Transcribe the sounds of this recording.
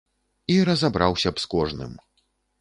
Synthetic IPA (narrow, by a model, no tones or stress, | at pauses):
iɾɐzabɾʔawsʲɐpskɔʐnɨ̰m